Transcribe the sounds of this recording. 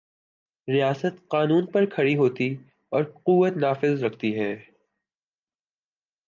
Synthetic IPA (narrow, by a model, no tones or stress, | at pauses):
ɾijaːsət̪qaːnuːnpɐɾkʰɐɽiɦoːt̪i | ɔːɾquːʋət̪naːfɪzɾɐkʰt̪iɦɛː